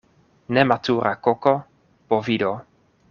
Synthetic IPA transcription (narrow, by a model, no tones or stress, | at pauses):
nematuːɾʔakoko | povid̪o